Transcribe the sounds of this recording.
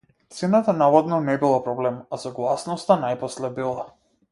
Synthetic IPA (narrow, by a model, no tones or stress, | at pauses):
t̪sɛnat̪anavɔd̪nɔnɛbilˠapɾɔblɛmasɔɡlˠasnɔst̪anajpɔslɛbilˠa